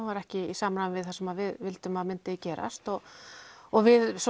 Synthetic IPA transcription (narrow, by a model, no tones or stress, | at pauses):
vaɾɛhcɪisaːmnanvɪðθasɛmaðvɪðvɪlt̪ʏmaðmɪnt̪ɪcɛːɾʔa̰st̪ɔɣ | ɔɣvɪðs